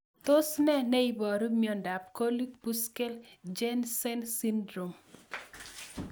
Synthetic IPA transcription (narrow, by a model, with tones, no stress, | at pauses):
t̪o˦snɛ˦nɛ˦i˦bɔ˨ɾumiɔ˨nda˨p̚ko˦li˦kpu˦ske˦ld͡ʒe˦nsɛ˦nsi˦ndɾo˨m